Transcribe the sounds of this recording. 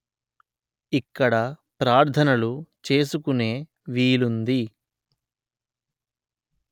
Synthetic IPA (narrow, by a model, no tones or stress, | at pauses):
ikːɐɽɐpɾaːɾt̪ʰɐnɐlut͡ʃe̞ːsukune̞ː | ʋiːlund̪i